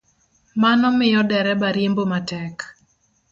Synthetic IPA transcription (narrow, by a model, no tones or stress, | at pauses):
manɔmɪjɔdɛɾɛbaɾjembomatɛk